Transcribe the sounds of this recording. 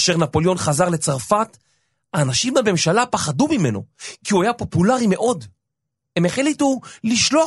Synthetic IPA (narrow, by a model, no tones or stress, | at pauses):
ʃeʁnapo̞ljo̞nχazaʁle̞t͡saʁfat | aːnaʃimbame̞mʃalapaχadumime̞no̞̰kiuajapo̞pulaʁimeʔo̞d | hemeχlituliʃlo̞a